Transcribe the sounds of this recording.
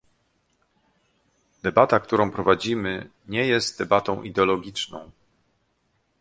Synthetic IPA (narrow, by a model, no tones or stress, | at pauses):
d̪̥ɛbat̪ak̚t̪uɾɔ̃w̃pɾɔvad͡ʑimɘ | ɲɛjɛst̪̚d̪ɛbat̪ɔ̃w̃ʔid̪ɛɔlɔɡʲit͡ʂnɔ̰̃w̃